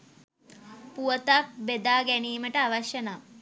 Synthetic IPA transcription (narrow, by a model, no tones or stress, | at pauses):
puət̪ak̚bed̪aːɡæniːməʈəaʋɐʃjənaː